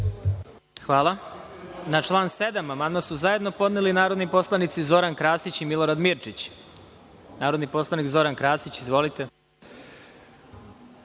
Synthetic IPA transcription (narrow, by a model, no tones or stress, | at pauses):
xʋaːlˠa | nat͡ʃlˠaːnse̞d̪amamand̪masuzaje̞d̪no̞po̞d̪nelinaːɾo̞d̪nipo̞slˠanit̪sizo̞ɾankɾaːsit͡ɕimilˠo̞ɾad̪miɾt͡ʃit͡ɕ | naːɾo̞d̪nipo̞slˠanikzo̞ɾankɾaːsit͡ɕizʋo̞lit̪e̞